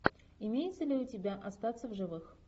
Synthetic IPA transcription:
ɪmʲejɪt̪səlʲɪʊtʲɪbʲaʔɐst̪at̪səvʐɨvɨx

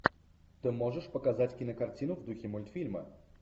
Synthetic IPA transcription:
t̪ɪmɔʐɛʂpɔkazatʲkʲinɐkart͡sʲinʊvd̪uxʲimʊlʲt̪fʲilʲmɐ̰

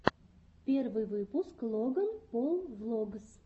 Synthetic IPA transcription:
pʲervɨjvɨpʊsklˠoɡənpolˠvlˠoɡəs

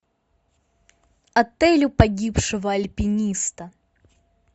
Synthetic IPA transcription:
ɐt̪ɛlʲʊpɐɡʲipʂɨvɐɐlʲpʲinʲist̪ɐ

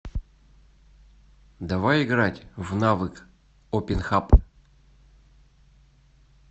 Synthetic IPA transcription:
d̪ɐvajɪɡɾatʲvnavɨk | opʲɪnxap

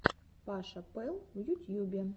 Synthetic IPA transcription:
pɑʃɐpɪlˠwjutʲjubʲɐ

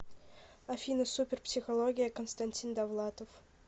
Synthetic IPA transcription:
ɐfʲinəsupʲɪrpsʲɪxɐlˠoɡʲɪjəkənst̪ɐnʲtʲind̪ɐvlˠat̪əf

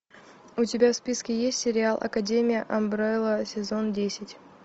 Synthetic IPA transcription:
ʊtʲɪbʲafspʲiskʲɪjesʲtʲsʲɪɾʲɪalˠʔɐ̰kɐdʲemʲɪjəʔɐmbɾalˠəsʲɪzo̞ndʲesʲɪtʲ

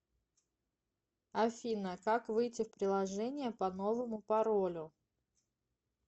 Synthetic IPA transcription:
ɐfʲinəkakvɨjtʲɪfpɾʲɪlˠɐʐɛnʲɪjəpɐno̞vəmʊpɐɾolʲʊ

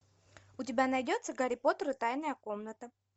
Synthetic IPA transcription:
ʊtʲɪbʲanɐjdʲot̪səɡəɾʲɪpot̪əɾɨt̪ajnəjəko̞mnət̪ə

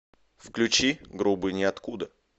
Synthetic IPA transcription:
fklʲʉt͡ɕiɡɾubɨnʲɪɐt̪kud̪ə

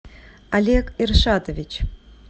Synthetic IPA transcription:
alʲekirʂat̪ovʲit͡ɕ

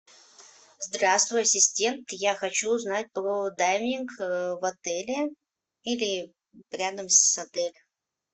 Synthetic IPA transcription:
zd̪ɾast̪vʊjɐsʲɪsʲtʲe̞nt̪jaxɐt͡ɕuːznat̚ʲpɾod̪ajmʲnʲɪnkvɐt̪ɛlʲɪ | ilʲɪ | ɾʲad̪əmsɐt̪ɛlʲ

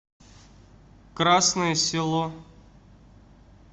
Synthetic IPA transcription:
kɾasnəjəsʲɪlˠo

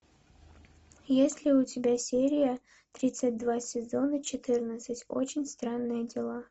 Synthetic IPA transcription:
jesʲlʲɪʊtʲɪbʲasʲeɾʲɪjə | t̪ɾʲit̪sɨt̚ʲd̪vasʲɪzo̞nət͡ɕɪt̪ɨrnət̪sɨtʲo̰t͡ɕɪnʲst̪ɾanːɨjədʲɪlˠa

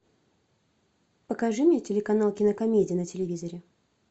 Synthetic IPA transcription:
pəkɐʐɨmʲnʲetʲɪlʲɪkɐnalˠkʲɪnəkɐmʲedʲɪjnətʲɪlʲɪvʲizəɾʲɪ

